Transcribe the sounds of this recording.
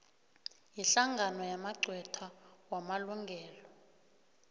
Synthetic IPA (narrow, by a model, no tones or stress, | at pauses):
jiɬaŋɡʱanɔjamaǀʱwɛtʰawamaluŋɡʱɛːlɔ